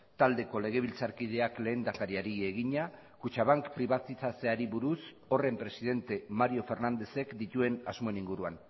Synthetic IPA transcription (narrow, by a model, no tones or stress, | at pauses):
t̪ald̪e̞ko̞le̞ɣ̞e̞β̞ilt͡saɾkið̞e̞akle̞ːnd̪akaɾiaɾie̞ɣiɲa | kut͡ʃaβaŋkpɾiβat̪isase̞aɾiβuɾus | o̞re̞mpɾe̞siðe̞nt̪e̞maɾjo̞fe̞ɾnand̪e̞se̞kd̪it̪ue̞nazmo̞eniŋɡuɾuan